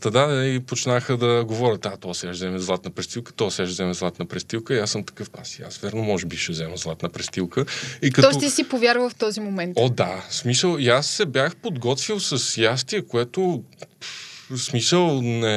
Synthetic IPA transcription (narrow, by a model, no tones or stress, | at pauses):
t̪ɐd̪aipot͡ʃnaxəd̪ɐɡovɔɾʲət̪at̪ɔsɛaʃzɛmɛzlˠat̪nɐpɾɛst̪ilˠkə̥t̪ɔsɛaʃzɛmɛzlˠat̪nɐpɾɛst̪ilˠkəiasːəmt̪ɐ̥kɤfpasia̰svɛɾnomɔʒɛbiʃɛzɛməzlˠat̪nɐpɾɛst̪ilˠkəitkɐt̪ɔɔt̪isipovʲjaɾvəft̪ɔzimomɛntod̪asmisəlˠjasːɛbjaxpod̪ɡɔt̪vilˠsɐsjast̪iɛkoɛt̪o | smisəlˠnɛ